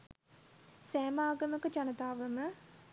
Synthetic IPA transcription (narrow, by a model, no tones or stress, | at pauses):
sæːmaːɡəməkət͡ʃanət̪aːʋəmə